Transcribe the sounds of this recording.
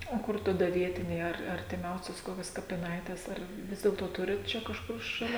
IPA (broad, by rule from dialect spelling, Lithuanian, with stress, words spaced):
oː ˈkʊr tɐˈdɐ ˈʋʲiɛtʲɪnʲɛɪ ɐr ɐrʲtʲɪˈmʲɛʊsʲoːs ˈkoːkʲoːs kɐpʲɪˈnɐɪtʲeːs ˈɐr ˈʋʲɪs dʲeːlˠtoː ˈtʊrʲɪt ˈt͡ʃʲɛ kɐʃˈkʊr ʃɐˈlʲɛ